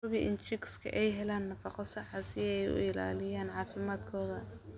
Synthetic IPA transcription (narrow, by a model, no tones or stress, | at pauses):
ʊβiʔɪ̰nt͡ʃɪɡskʰɐ̰ʔɛjɦɛlaːnːɐfɑqɔsɐħɑsɪɛjʊ̰ɪla̰ːlɪjaːnʕɑːfɪmaːd̪kʰɔːðɐ